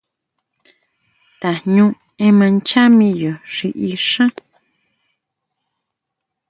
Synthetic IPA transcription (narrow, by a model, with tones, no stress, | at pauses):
t̪a˨ɲũ˦ | ẽ˦mã˧nt͡ʃa˦mĩ˧jo˨ʂi˧ʔi˧ʂã˦